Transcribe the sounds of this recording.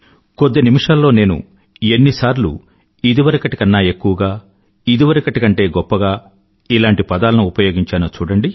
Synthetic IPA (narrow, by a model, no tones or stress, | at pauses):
kod̪ːenimiʂaːlːo̞ːne̞ːnṵ | e̞nːisaːɾlṵ | id̪iʋɐɾɐkɐʈi̥kɐnːaːe̞kːuʋɐɡaː | id̪iʋɐɾɐkɐʈikɐɳʈe̞ːɡɔpːɐɡaː | ilaːɳʈipɐd̪aːlɐnuupɐjo̞ːɡiɲt͡ʃaːnoːt͡ʃuːɽɐɳɖi